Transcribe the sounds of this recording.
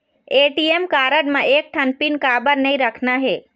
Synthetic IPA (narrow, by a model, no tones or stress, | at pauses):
eʈiemkaːɾəɖmẽeːk̚ʈʰənpinkabəɾnəĩɾəkʰnaɦeː